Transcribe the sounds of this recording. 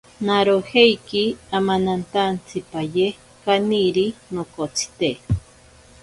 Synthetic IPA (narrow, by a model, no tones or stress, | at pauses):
naɾohejkiamanant̪ant͡sʰipaje | kaniɾinokot͡sʰi̥t̪e